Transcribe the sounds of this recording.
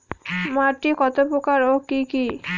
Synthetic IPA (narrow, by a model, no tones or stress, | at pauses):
maʈikɔt̪opɾokaɾokiki